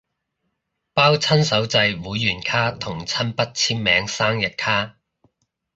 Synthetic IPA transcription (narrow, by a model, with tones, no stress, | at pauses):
paː˥wt͡sʰɐ˥nsɐ˨˥wt͡sɐ˧jwuː˨˥jːyː˨˩nkʰaː˥t̪ʰʊ˨˩ŋt͡sʰɐ˥npɐ˥t̚t͡sʰiː˥mːɛː˨˧ŋsaː˥ŋjɐ˨t̚kʰaː˥